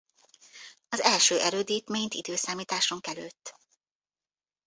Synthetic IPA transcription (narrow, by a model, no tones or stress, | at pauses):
ɒzɛlʃøːʔɛɾøːd̪iːt̪ment̪ḭd̪øːsaːmiːt̪aːʃoŋkɛløːt̪ː